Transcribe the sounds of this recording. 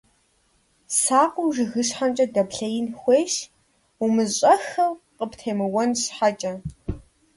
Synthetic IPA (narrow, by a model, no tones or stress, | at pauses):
saːqʷʼʊwʒɨɣɨɕħamt͡ʃʼɐdɐbɬɐjɪnxʷeːʃ | umɨzɕʼɐxɐw | qəptʰeːmɨwɔnɕħat͡ʃʼɐ